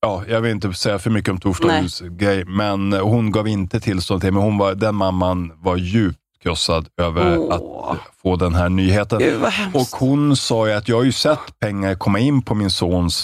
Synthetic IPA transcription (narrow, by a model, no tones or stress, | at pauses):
jɑːjɑɡvɪlɪnt̪̬əsɛjːafœɾmʏkːəɔmt̪ʰuːʂʈ̪aʉsɡɾɛjmɛnhʊnɡɑːvɪnt̪ət̪ʰɪlst̪ɔnʰɪɛmɛnhʊnvad̪ɛnmamːanvajʉ̟ːp̚t̪kʰɾɔsad̪øːvəɾat̪foːd̪ɛnɦæːɳyːɦeːt̪ənɔkhʊnsɑːjɵat̪jɑːhaɾjɵsɛt̪ːpʰɛŋːaɾkʰɔmːaɪnːpʰɔmɪnsoːns